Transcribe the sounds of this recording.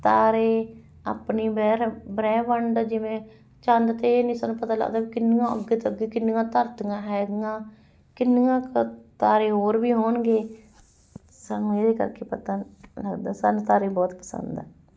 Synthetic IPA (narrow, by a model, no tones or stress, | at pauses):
t̪aːɾeː | a̰ːpniːbɛːɾbɾɛːʋəɳɖd͡ʒɪʋẽː | t͡ʃãnd̪t̪eːnĩːsaːnːũːpət̪aːlə̰ɡd̪aːbiːkɪnɡãːə̰ɡet̪əɡeːkɪnɡãːt̪əɾt̪ɡãːɦɛːɡɡãː | kɪnːɡãːkət̪aːɾeːɦoːɾbiːɦoːnɡeː | sanːeːɾeːkə̰ɾkeːpət̪aːləɡd̪aːsa̰ːnut̪aːɾeːbɔːt̪pə̥sə̰nd̪aː